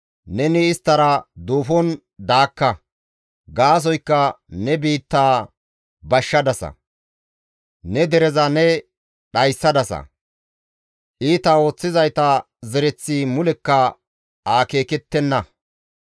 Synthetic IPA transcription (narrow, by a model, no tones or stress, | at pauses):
nɛnɪːst̪ːɐɾɐd̪uːfɔn | d̪aːkːɐ | ɡaːs̬ɔjkːɐnɛbiːt̪ːaː | bɐʃːɐd̪ɐsɐ̰ | nɛd̪ɛɾɛzɐnɛ | ɗɐjsːɐd̪ɐsɐ̰ | ʔiːt̪ɐo̞ːt͡sːɪzɐjt̪ɐ | zɛɾɛt͡sːimʊlɛkːɐ | aːke̞ːkɛt̪ːɛnːɐ